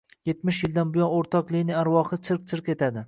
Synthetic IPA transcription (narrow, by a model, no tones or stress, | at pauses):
jet̪mɪʃjɪld̪anbɪjɒnoɾt̪ʰɒqlˠinɪaɾwɒχɨt͡ʃʰɪɾq̚t͡ʃʰɪɾqe̞t̪ʰad̪ɪ